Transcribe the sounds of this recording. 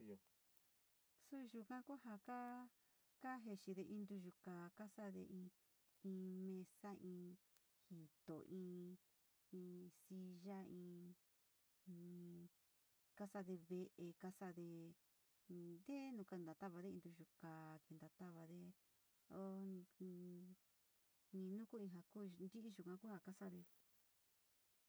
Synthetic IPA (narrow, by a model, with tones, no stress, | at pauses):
jo˧ | su˦ʒu˧kã˦ku˦ɦa˧ka˦ | ka˦ɦe˧ʃi˧ðe˧ʔĩ˧nd̪u˧ʒu˧ka˨ka˦sa˦ðḛ˧ʔĩ˧ | ĩ˧mẽ˧sa˦ʔĩː˧ | hi˨t̪o˨ʔĩː˧˦ | ĩ˧si˧ʒa˦ĩː˧ | ka˦sa˧ðe˧βe˧ʔe˧ka˦sa˧ðe˧ | d̪e˦nũ˧ka˧˨nd̪a˨˧t̪a˦βa˧ðe˦ĩ˧d̪u˧ʒu˧ka˨ki˧nd̪a˧t̪a˦βa˧ðe˧ | o˦ | nĩ˧nũ˦ku˦ĩ˧ɦa˨ku˦˨nd̪i˦ʔi˦ʒu˨kã˧˦ku˦ha˧ka˦sa˧ðe˧